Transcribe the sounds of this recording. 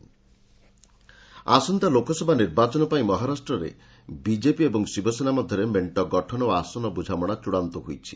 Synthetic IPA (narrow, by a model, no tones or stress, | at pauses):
a̰sɔnt̪alokɔsɔbʱaniɾbat͡ʃɔnɔpaĩmɔɦaɾasʈɾɔɾḛ | bid͡ʒepiebɔŋsibɔsenamɔd̪ʱjɔɾemeɳʈɔɡɔʈʰɔnɔoasɔnɔbud͡ʒʱamɔɽ̃at͡ʃuɽant̪ɔɦojt͡ʃʰi̥̰